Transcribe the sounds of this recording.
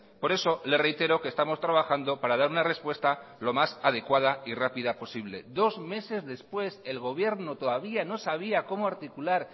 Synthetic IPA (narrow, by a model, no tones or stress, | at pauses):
po̞ɾe̞so̞le̞sre̞jt̪e̞ɾo̞kest̪amo̞st̪ɾaβ̞axand̪o̞paɾað̞aɾunare̞spwe̞st̪alo̞masað̞e̞kwað̞airapiðapo̞siβle̞d̪o̞zme̞se̞zðe̞spwe̞se̞lɣ̞o̞β̞je̞ɾnot̪o̞ðaβ̞iano̞saβ̞iako̞moaɾt̪ikulaɾ